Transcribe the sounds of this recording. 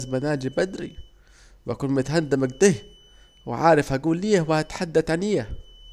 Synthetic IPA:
sbanaːd͡ʒibad̪ɾḭ | wʔakuːnmʊt̪ɦand̪amaɡ̚d̪ɪh | wɪ̰ʕaːɾɪfhaɡuːlːiːhwɪhat̪ħad̪ːaθʕaniːa

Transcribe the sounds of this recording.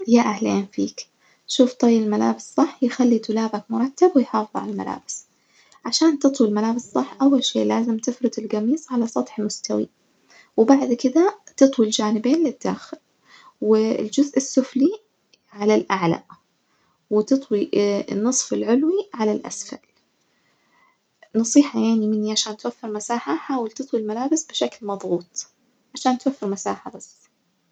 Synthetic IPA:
jaʔahleːnfḭːk | ʃuːft̪ˤɑjːɪlmala̰ːbɪsˤɑħːjɪxalːit̪ʊlaːbakmʊɾˤɑt̪ːabwɪjħɑːfɨðˤʕa̰lalma̰la̰ːbɪ̥s | ʕaʃaːnt̪ɨt̪ˤwilmalaːbɪsˤɑħːʔawːalʃḛːʔlaːzɪmt̪ɪfɾɨd̪ɪlɡɑmiːsˤʕalasˤɑt̪ˤħɪlmʊst̪awḭ | wbaʕd̪kɪd̪at̪ɨt̪ˤwild͡ʒaːnɪbeːnlɪd̪̥ːaːxɪl | wɪld͡ʒʊzʔɪsːʊfli | ʕalalʔaʕla̰ | wɪt̪ɨt̪ˤwiɪ̰nːɨsˤfɪlʕʊlwiʕalalʔa̰sfa̰l | nɑsˤiːħɑjaʕnimɪnːiʕaʃaːnt̪wafːɪɾmasaːħaħaːwalt̪ɨt̪ˤwilmalaːbɪsbɪʃaklmɑðˤɣuːt̪ˤ | ʕaʃaːnt̪wafːɪɾmasaːħabas

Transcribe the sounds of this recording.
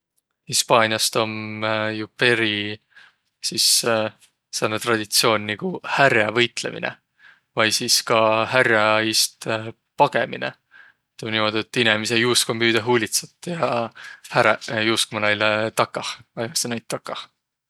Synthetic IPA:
hispɑːnʲiɑst̪o̞mjupe̞ɾi | sis | senut̪rɑd̪̥ʲit̪sio̞ːnʲniɡ̥uhæɾjɑvɤjt̪le̞̰mḭnḛ | vɑjsiːskɑɦærjɑist̪ | pɑɡ̥e̞mḭnḛ | t̪ːˑomnimo̞d̪̥iet̪ːˑinemisejuːskomyːd̪̥eɦuːlʲit̪set̪ːˑjɑhæɾjuːskomɑnɑjlet̪ɑkːˑɑhɑjmɑsenɑjt̪ːɑkːɑh

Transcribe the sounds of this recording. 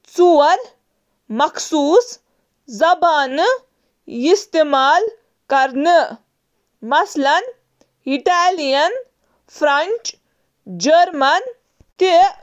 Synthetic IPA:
t͡suwɐl | mɐkʰsuːs | zɐbaːn | ist̪eːmaːl | kɐɾnɨ | mɐslɐn | iʈaːlijɐn | fʰɾɐnt͡ʃ | d͡ʒɐɾmɐn | t̪e

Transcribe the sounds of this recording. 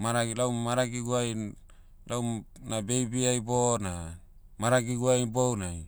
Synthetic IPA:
maɾalawmaɾaɡiɡuaj | lawnabejbiajbona | maɾaɡiɡuajbownaj

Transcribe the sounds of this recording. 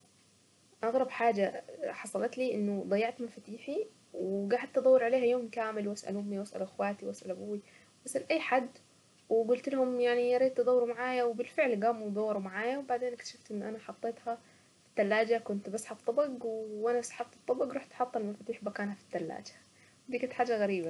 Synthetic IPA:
ʔɑɣɾˤɑbħaːd͡ʒaħɑsˤɑlɑt̪liːʔɪnːʊd̪ˤɑjːɑʕt̪mɪnfat̪iːħi | wɪɡaːʕħɪd̪t̪ɨd̪ˤɑwːɑɾʕaleːhajoːmkaːmɪlwasʔa̰lʊmːiwasʔa̰lʔɪxwaːt̪iwasʔalʔabuːwːi | wasʔalʔajːħad̪ | wɪɡʊlt̪lahʊmjaʕniɑɾˤiːd̪̚t̪ɨd̪ˤɑwːɾumaʕaːjawbɪlfɪʕlɡaːmud̪ˤɑwːɑɾˤumaʕaːjawbaʕd̪eːnkt̪ḁʃaft̪ʔɪnːʔanaħɑt̪ˤːeːt̪ha | fi̥t̪ːalːaːd͡ʒakʊnt̪basħaft̪ˤːɑbɑɡwʔanasḁħɑft̪ɨ̥t̪ˤːɑbɑɡɾuːħt̪ʔħɑt̪ˤːɑlmɪnfat̪iːħbakaːnhafi̥t̪ːalːa̰ːd͡ʒḁ | d̪iːkat̪ħaːd͡ʒːaɣaɾiːba

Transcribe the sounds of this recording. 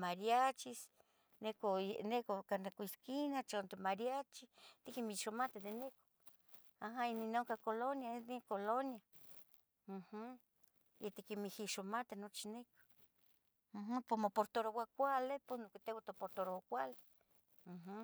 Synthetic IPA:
maɾjat͡ʃis | nekoenekokanekʷiskinat͡ʃont̪emaɾjat͡ʃit̪ikimiʃomat̪ed̪eneko̥ | aɦaininoŋkakolonjaed̪ikolonja | h̩ | jet̪ikimihiʃomat̪enot͡ʃineko̥ | ɦ̩pomopoɾt̪oɾowakʷaleposnokit̪ewat̪opoɾt̪oɾowakʷale | ɦ̩

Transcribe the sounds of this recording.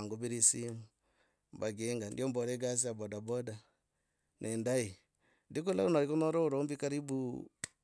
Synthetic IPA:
ŋɡobiɾisimu | mbaɡeŋɡandjɔmbɔɾɛɡas̬iabɔdabɔda | nʔɛndai | ndik̬ula̰unaɾikonɔɾɔuɾombikaɾibu

